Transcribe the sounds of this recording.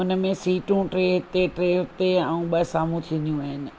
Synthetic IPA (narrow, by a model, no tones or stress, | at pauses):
ʊnə̆mẽsiːʈũʈɾeːɦɪt̪eʈɾeːɦɪt̪eɛ̃ũɓəsaːm̤ũt̪ʰiə̃njũaːɦɪnɪ̆